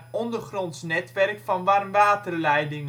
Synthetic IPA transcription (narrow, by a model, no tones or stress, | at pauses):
ɔndərχrɔntsnɛtʋɛrkfɑnʋarmʋaːtərlɛjdɪŋ